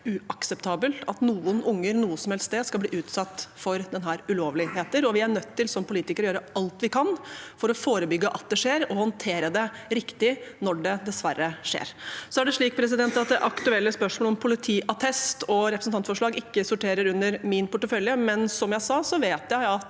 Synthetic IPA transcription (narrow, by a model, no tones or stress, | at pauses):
ʉɑksɛpt̪ʰɑːbəlɑt̪nuːənʊŋːəɾnuːəsɔmhɛlst̪d̪ɛskɑbliːʔʉːt̪sɑt̪ːfɔɾd̪ɛnɦæːɾʉloːʋlɪɦeːt̪əɾɔʋɪæɳœt̪ʰːɪlsɔmpʰʊliːt̪ɪkəɾɔjøːɾəɑlt̪ʋɪkʰɑnfɔɾɔfoːɾəbʏɡːəʔɑt̪̚d̪ɛʂeːɾɔhɔnt̪ʰeːɾəd̪ɛɾɪkt̪ɪnɔɖɛd̪ɛsʋæɾːəʂḛːɾsɔæɖɛʂɭiːk̚pʰɾɛs̬ɪd̪ɛnt̪ɑt̪̚d̪ɛʔɑkt̪ʉɛlːəspœʂmoːlɔmpʰʊlɪt̪ʰiːʔɑt̪ʰɛst̪ɔɾɛpɾsn̩t̪ɑnt̪fɔʂɭɑːɡɪkːəsʊʈʰeːɾəɾʉnːəɾmɪnpʊʈːəfœljəmɛnsɔmjæɪsɑːsɔʋeːt̪jæɪɑt̪